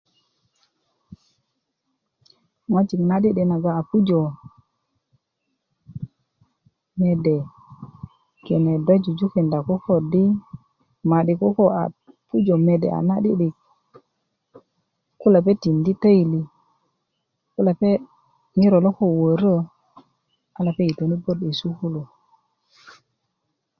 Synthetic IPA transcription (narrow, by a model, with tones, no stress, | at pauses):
ŋa˦t͡ʃi˨kna˦di˦ɗi˨na˨ɡa˨a˨pu˦d͡ʒo˨ | me˨de˨ | ke˨ne˨da˦d͡ʒu˨d͡ʒu˦ki˨nda˨ko˦ko˨di˦ | ma˨ɗi˨ko˦ko˦a˨ | pu˦d͡ʒo˨me˨dḛ˨a̰˨na˦ɗi˦ɗi˨k̚ | ku˦la˨pe˦ti˨ndi˦ta˦i˨li˨ | ku˦la˨pe˦ | ɲi˦ɾo˨lo˦ko˦wo˨ɾə˦ | a˦la˨pe˦i˨to˨ni˦bo˦di˨su˦ku˦lo˨